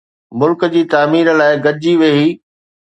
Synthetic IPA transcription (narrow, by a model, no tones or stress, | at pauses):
mʊlkd͡ʑiːt̪aːmiːɾəlaːɪɡɐd͡ʑiʋeːiː